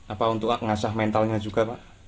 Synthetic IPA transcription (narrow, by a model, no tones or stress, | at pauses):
apaunt̪ʊʔŋasahmɛnt̪alɲad͡ʒuɡ̥a̤paʔ